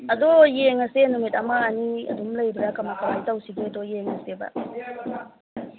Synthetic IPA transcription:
ɐdɔjeŋɐsenumitamaːniɐ̰dumlɐjɾiɾakɐmakalajtawsidedɔjeŋɐseba̰

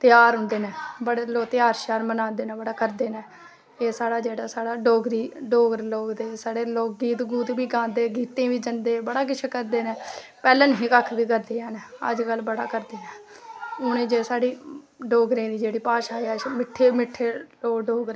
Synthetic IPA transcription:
t̪ɪjaːɾɦʊ̃nd̪eːnɛ̃ːbəɽeːloːt̪ɪjaːɾʃaːɾmənãːd̪eːnɛ̃ːbəɽaːkəɾd̪eːnɛː | eːsaːɽaːd͡ʒeːɽaːsaːɽaːɖoːɡɾiːɖoːɡɾloːɡd̪eːsaːɽeːloːk̚ɡiːt̪ɡuːt̪biːɡãːd̪eːɡiːt̪ẽːʋiːd͡ʒənd̪eːbəɽaːk̬ɪt͡ʃʰekəɾd̪eːnɛːpɛːlənɦĩːkəkʰːʋiːkəɾd̪eːɛːnɛːə̰d͡ʒkəlbəɽa̰ːkəɾd̪eːnɛːʊnẽːd͡ʒeːsaːɽiː | ɖoːɡɾẽːd̪iːd͡ʒeːɽiːpaːʃaːiaːmɪʈʰːeːmɪʈʰːeːloːɡɖoːɡɾ

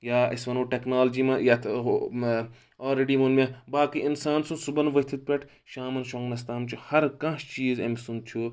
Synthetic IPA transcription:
jaːɐsʋɐnoːʈeknaːlɐd͡ʒiːmɐjat̪ʰ | aːlɾeɖiːmunmẽbaːkiʔinsaːnsũsubɐnʋɐt̪ʰit̪̚pʲeʈʰ | ʃaːmɐnʃɐŋɡnɐs̬t̪aːmt͡ʃʰuhɐɾkɐ̃ːʃt͡ʃiːzɐ̰msund̪̚t͡ʃʰu

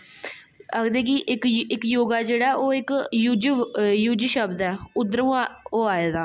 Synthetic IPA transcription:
əkd̪ẽːk̬ɪʔɪkɪkjoːɡaːd͡ʒeːɽaʔoːɪkjud͡ʒjuːd͡ʒʃəbd̪ɛːʊd̪əɾũːoːaːjeːd̪aː

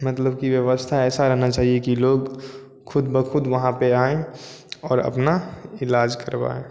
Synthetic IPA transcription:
mɐt̪ləb̚kiʋjəʋəst̪ʰaɛːsaɾɛɦnat͡ʃaːɦiekiloːɡ | kʰʊd̪bəkʰʊd̪ʋɐɦãpeaːẽɔːɾɐ̰pnaɪlaːd͡ʒkəɾba̰ːẽː

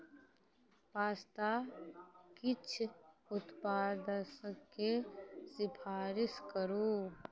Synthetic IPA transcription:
paːst̪a | kɪt͡ʃʰʊt̪paːd̪əskesɪpʰaːɾɪskəɾoː

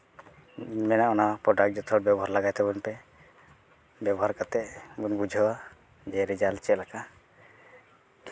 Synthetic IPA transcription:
mɛnaʔɔnapɾɔɖak̚ʈ̚d͡ʒɔt̪ʰɔʈ̚babɔɦaɾlaɡajt̪ɛbɔnpɛ | bjabɔɦaɾkat̪ɛʔbɔnbud͡ʒʱəwa | d͡ʒɛɾid͡ʒalt͡ʃɛlaka

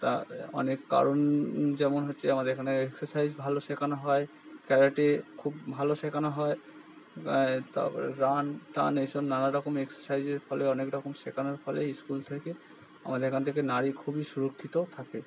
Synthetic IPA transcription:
t̪a̰ɔ̰nekːa̰ɾond͡ʑɛmonɦotːɕʰeamad̪eɾkʰanʰeeksoɾsajzbʱaloʃekʰanaɦɔe | kɛɾaʈekʰubbʱaloʃekʰanaɦɔe | t̪a̰ɾanʈa̰nejʃɔbnanaɾɔkomeksoɾsajd͡ʑeɾfɔleɔnekɾɔkomʃekʰanaɾfɔleiskult̪ʰeke | a̰mad̪eɾekʰant̪ʰekenaɾikʰubiʃuɾokʰːit̪ot̪ʰake

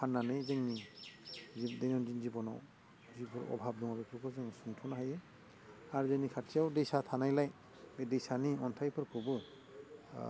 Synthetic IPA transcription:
kʰanːanajzeŋni | zidɛnɔnzinzibɔnɔ̰w | zipʰɔɹɔ̰bʱab̚dɔŋabipʰɔkʰɔzɛŋɔsuŋtʰɔnahajɯ | aɾzenikʰatʰijawdejsatʰanajlaj | bedɛjsaniɔntʰajpʰɯɾkʰubɯ

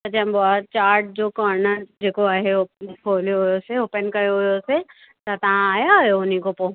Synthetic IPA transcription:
ɐd͡ʒɐ̃mboaːt͡ɕaːɾʈ̚d͡ʑoːkɔːɾnəd͡ʒeːkoaːɦeopʰoːljoɦjoseoːpənkɐjoɦjose | t̪ɐt̪ɐʋ̤ãaːjaɦjoʊnikopoː

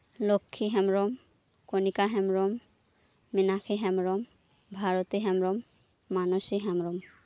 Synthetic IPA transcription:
lokʰːiɦɛmɹɔm | konikaɦɛmɹɔmː | inakʰiɦɛmɹɔm | bʱaɹɔt̪iɦɛmɹɔmː | anosiɦɛmɹɔm

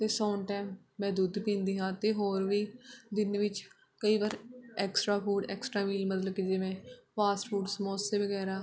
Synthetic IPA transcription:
t̪eːsoːnʈaːmː | ɛ̃ːd̪uːd̪pĩːnd̪iːɦãːt̪eːɦoːɾʋiːd̪ɪnʋɪt͡ʃ | kəiːʋaːɾɛːksʈɾaːpʰuːʈɛːksʈɾaːʋiːlmət̪ləbked͡ʒɪʋẽːpʰaːsʈpʰuːʈsmoːseːʋəɡɛːɾaː

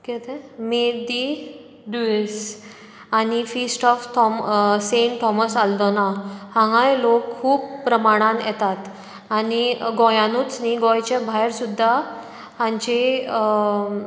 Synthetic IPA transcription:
ket̪ẽmed̪i | ɖues | anifisʈɔft̪ʰɔmseɳʈʰːɔməsald̪ɔnahãŋãjlokʰkʰuːbpɾəmaɽ̃anjɛt̪at̪ | aniɡɔjãnut͡sniɡɔjt͡ɕebʱajɾsud̪ʱːa | hãɲt͡ɕe

